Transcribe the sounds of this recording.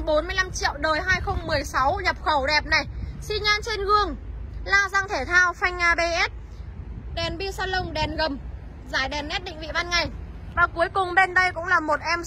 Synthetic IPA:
ɓo˨˦nmɨ˧əjla˧mt͡ɕḭ˧˨əwɗəː˨˩jɦaː˧jxə˧wŋ͡mmɨ˨˩əjsa˨˦wɲə˨˩p̚xə˧˩wɗɛ˨˩p̚na˨˩jsi˧ɲaː˧nt͡ɕe˧nɣɨ˧əŋlaː˧˩zaː˧ŋt̪ʰe˧˩t̪ʰaː˧wfa˧jŋ̟ʔaː˧˩ɓe˧ʔɛ˦˥t̚ | ɗɛ˨˩nɓi˧saː˧lə˧wŋ͡mɗɛ˨˩nɣə˨˩m | zaː˧˩jɗɛ˨˩nːɛ˦˥t̚ɗḭ˧˨ŋvḭ˧˨va˧nŋa˨˩j | vaː˨˩ku˨˦jkʊ˨˩ŋ͡mɓe˧nɗə˧jkʊ̰˧˥ŋ͡mlaː˨˩mo˨˩t̚ʔɛ˧m

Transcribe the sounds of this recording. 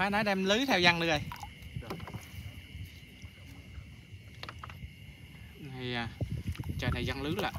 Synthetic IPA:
aː˨˦˥nɔ˨˦jɗɛ˧mlɨ˨˦t̪ʰɛ˧wza˧ŋɗɨ˨˧ɗə˨˧˩j | na˨˩jaː˨˧˩t͡ɕaː˧˩t̪ʰa˨˩jza˧ŋlɨ˨˦laː˨

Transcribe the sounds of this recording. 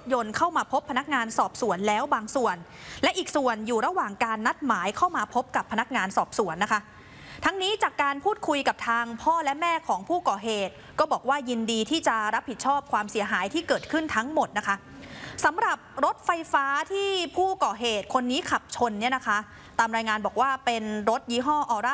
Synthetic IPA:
t̪̚jo˧nkʰa˥˩wmaː˧pʰo˦˥pʰːa˧na˦˥k̚ŋaː˧nsɔː˨˩p̚su˨˩˦ənlɛː˦˥wbaː˧ŋsu˨˩ən | lɛ˦˥ʔiː˨˩k̚su˨˩ənjuː˨˩ɾa˧waː˨˩ŋkaː˧nːa˦˥t̪̚maː˩˦jkʰa˥˩wmaː˧pʰo˦˥p̚ka˨˩pʰːa˧na˦˥k̚ŋaː˧nsɔː˨˩p̚su˩˦ənːa˦˥kʰa˦˥ | t̪ʰa˦˥ŋniː˦˥t͡ɕaː˨˩kːaː˧npʰuː˥˩t̪̚kʰu˧jka˨˩p̚t̪ʰaː˧ŋpʰɔː˥˩lɛ˦˥mɛː˥˩kʰɔː˩˦ŋpʰuː˥˩kɔː˨˩ɦeː˨˩t̪̚ | kɔː˥˩bɔː˨˩k̚waː˥˩ji˧ndiː˧t̪ʰiː˥˩t͡ɕa˨˩ɾa˦˥p̚hi˨˩t̪̚t͡ɕʰɔː˥˩p̚kʰwaː˧msi˨˩˦ɐɦaː˩˦jt̪ʰiː˥˩kɤː˨˩t̪̚kʰɯ˥˩nt̪ʰa˦˥ŋmo˨˩t̪̚na˦˥kʰa˦˥ | sa˩˦mɾa˨˩p̚ɾo˦˥t̪̚fa˧jfaː˦˥t̪ʰiː˥˩pʰuː˥˩kɔː˨˩ɦeː˨˩t̪̚kʰo˧nːiː˦˥kʰa˨˩p̚t͡ɕʰo˧nːi˥˩ɐna˦˥kʰa˦˥ | t̪aː˧mɾaː˧jŋaː˧nbɔː˨˩k̚waː˥˩pe˧nɾo˦˥t̪̚jiː˦˥ɦɔː˥˩ʔɔː˧˩ɾa˥

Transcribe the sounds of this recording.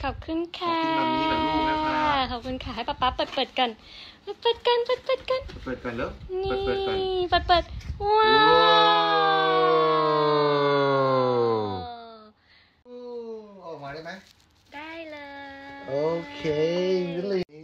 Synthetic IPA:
kʰa˨˩p̚kʰɯ˧˥˨nkʰaː˧˨˩ | kʰa˨˩p̚kʰɯ˧˥˨nkʰaː˧˩ɦa˥˩jpa˧˩pːa˦˥pːɤː˨˩t̪̚pɤː˨˩t̪̚ka˧˩n | pəː˧˩t̪̚pɤː˨˩t̪̚ka˧npəɤː˨˩t̪̚pɤː˨˩t̪̚ka˧n̚˨˩pɤː˨˩ka˧nle˦˥wni˨˧˩pəː˨˩t̪̚pɤː˨˩t̪̚wa˧ | o˨˩maː˧˦daː˥˩ma˦˥ | d̥aː˥˩jlɤː˧jʔʔoː˨˧kʰe˧ɯ˧˥le˧˨

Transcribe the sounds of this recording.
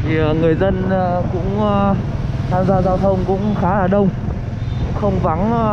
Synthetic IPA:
t̪ʰi˨˩ə˨˩ŋɨ˨˩əjzə˧n˨˩kʊ̰˧˥ŋ͡m | t̪ʰaː˧mzaː˧zaː˧wt̪ʰə˧wŋ͡mkʊ̰˧˥ŋ͡mxaː˨˦laː˨˩ɗə˧wŋ͡m | kʊ̰˧˥ŋ͡mxə˧wŋ͡mva˨˦n

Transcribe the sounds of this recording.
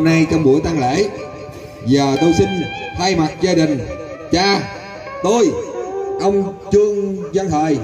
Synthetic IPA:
na˧jt͡ɕa˧wŋ͡mɓu˧˩˦əjt̪a˧ŋlḛ˧˥ | zaː˨˩t̪o˧jsï˧ŋ̟h̪ʰaː˧jma˨˩t̚zaː˧ɗï˨˩ŋ̟ | t͡ɕaː˧˩ | t̪o˧jʔə˧wŋ͡mt͡ɕɨ˧əŋzə˧nt̪ʰəː˨˩j

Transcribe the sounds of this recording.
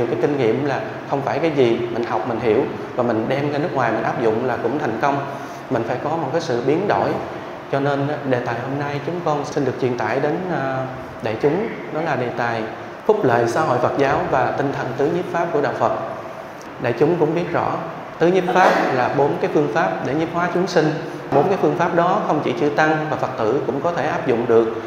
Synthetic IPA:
ɲ˨əwkaː˨˦jki˧ŋ̟ŋḭ˧˨əmlaː˨˩ | xə˧wŋ͡mfaː˧˩jkaː˨˦jzi˨˩mï˨˩ŋ̟ha˨˩wk͡p̚mï˨˩ŋ̟ɦi˧˩əw | vaː˨˩mï˨˩ŋ̟ɗɛ˧mŋa˧nɨ˦˥ək̚waː˨˩jmï˨˩ŋ̟ʔaː˦˥p̚zʊ̰˧˨ŋ͡mlaː˨˩kʊ̰˧˥ŋ͡mt̪ʰɛ˨˩jŋ̟kə˧wŋ͡m | mï˨˩ŋ̟faː˧˩jkɔ˨˦mo˨˩t̚kaː˨˦jsɨ̰˧˨ɓi˨˦ənɗo̰˧˩˨j | t͡ɕɔ˧ne˧n˨˧ɗe˨˩t̪aː˨˩jho˧mna˧jt͡ɕʊ˨˦ŋ͡mkɔ˧nsi˧nɗɨ˨˩ək̚t͡ɕwi˨˩ənt̪a̰ː˧˨jɗe˨˦nː˧ | ɗa̰ː˧˨jt͡ɕʊ˨˦ŋ͡mɗɔ˨˦laː˨˩ɗe˨˩t̪aː˨˩j | fʊ˦˥p̚lə̰ː˧˨jsaː˧˥ɦo̰˧˨jfə˨˩t̚zaː˨˦wvaː˨˩t̪ï˧ŋ̟t̪ʰə˨˩nt̪ɨ˨˦ɲi˦˥p̚faː˦˥p̚ku˧˩əɗa̰ː˧˨wfə˨˩t̚ | ɗa̰ː˧˨jt͡ɕʊ˨˦ŋ͡mkʊ̰˧˥ŋ͡mɓi˦˥ət̚zɔ̰˧˩˥ | t̪ɨ˨˦ɲi˦˥p̚faː˦˥p̚laː˨˩ɓo˨˦nkaː˨˦jfɨ˧əŋfaː˦˥p̚ɗe˧˩ɲi˨˦˥p̚hwaː˨˦t͡ɕʊ˨˦ŋ͡msï˧ŋ̟ | ɓo˨˦nkaː˨˦jfɨ˧əŋfaː˦˥p̚ɗɔ˨˦xə˧wŋ͡mt͡ɕḭ˧˩t͡ɕɨ̰˧˩t̪a˧ŋvaː˨˩fə˨˩k̚t̪ɨ̰˧˩kʊ̰˧˥ŋ͡mkɔ˨˦t̪ʰe˧˩ʔaː˦˥p̚zʊ̰˧˨ŋ͡mɗɨ˨˩ək̚

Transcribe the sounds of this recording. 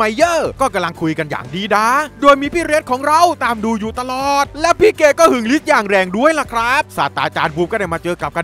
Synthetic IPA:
a˧˩jːɤː˧˥˩kɔː˥˩ka˧mla˧ŋkʰu˧jka˧nja̰ː˨˩ŋdiː˧daː˧˩doː˧jmiː˧pʰiː˥˩ɾe˦˥t̪̚kʰɔː˨˩˦ŋɾa˧wt̪aː˧mduː˧juː˨˩t̪a˧lɔː˨˩t̪̚lɛ˦˥pʰiː˥˩keː˧˩kɔː˥˩hɯ˨˩ŋli˦˥t̪̚jaː˨˩ŋɾɛː˧ŋdu˧˩əjla˧˩kʰɾa˦˥p̚sa̰ː˨˩t̪ːa̰ː˨˧t͡ɕaː˧nbuː˧˩kɔː˥˩a˧˩maː˧t͡ɕɤː˧ka˨˩p̚ka˧

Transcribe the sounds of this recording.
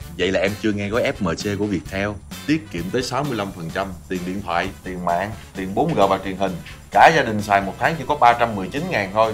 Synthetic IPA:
və̰˧˨jlaː˨˩ʔɛ˧mt͡ɕɨ˧əŋɛ˧ɣɔ˨˦jʔɛ˦˥p̚məː˨˩t͡ɕe˧ku˧˩əvi˨˩ək̚t̪ʰɛ˧wt̪i˦˥ət̚kḭ˧˨ənt̪əː˨˦jsa˨˦wmɨ˧əjla˧mfə˨˩nt͡ɕa˧mt̪i˨˩ənɗḭ˧˨ənt̪ʰwa̰ː˧˨jt̪i˨˩ənma̰ː˧˨ŋt̪i˨˩ənɓo˨˦nɣəː˨˩vaː˨˩t͡ɕwi˨˩ənhï˨˩ŋ̟ | kaː˧˩zaː˧ɗï˨˩ŋ̟saː˨˩jmo˨˩t̚t̪ʰaː˨˦ŋt͡ɕi˧˥kɔ˨˦ɓaː˧t͡ɕa˧mːɨ˨˩əjt͡ɕi˨˦nŋaː˨˩nt̪ʰo˧j

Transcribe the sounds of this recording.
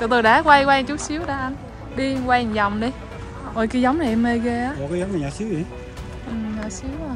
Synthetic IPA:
t͡ɕɔ˨˧˩t̪o˧jɗa̰ː˧˥kwa˧jkwaː˧ŋt͡ɕu˨˦˥t̚si˨˦əwɗaː˧˩ʔa˧n | ɗi˧kwa˧˨ŋza˨˩wŋ͡mɗi˧j | vɔ˨˩jkaː˨˦jza˨˦wŋ͡mna˨jʔɛ˧me˧jɣe˧ʔaː˨˦ɔ˨˩kaː˨˦zɔ˨˦mna˨˩ɲa˨˩si˨˦wi˨˦ | ʔɨ˨˩ɲaː˨˩si˨˦əw

